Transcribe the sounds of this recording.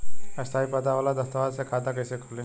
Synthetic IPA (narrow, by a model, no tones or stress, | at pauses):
əst̪ʰaipəd̪aʋalad̪əst̪əʋad̪sekʰad̪akəjsekʰole